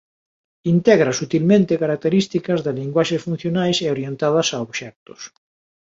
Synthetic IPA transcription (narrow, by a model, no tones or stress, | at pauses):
int̪ɛɣɾɐsut̪ilmẽnt̪ekaɾak̚t̪eɾist̪ikɐzðeliŋɡwaʃesfun̟θjonajseoɾjent̪að̞ɐsaoβʃɛk̚t̪ʊ̥s